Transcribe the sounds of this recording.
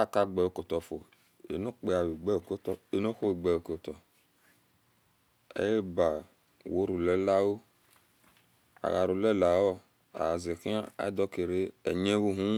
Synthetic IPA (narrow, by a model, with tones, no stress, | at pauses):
a˦˨ka˦ɡ͡bɛ˨o˨ko˨tɔ˨fo˨ | ḛ˨no˦k͡pe˨˦a˨wi˨ɡ͡bɛ˦o˨ko˦tɔ˨e˨no˦xo˦wi˨ɡ͡bɛ˨wo˨ko˨tɔ˨ | ḛ˦je˦ba˨ | wo˨˦ɾu˨lɛ˨˦la˦wo˦ | a̰˨ɣa˨ɾu˨lɛ˦˨la˨wɔ˦ | a̰˨a˨ze˨ki˦a˦a̰˦dɔ˦ke˨ɾe˦ɛ̰˨ɲe˦wu˦ɦũ˦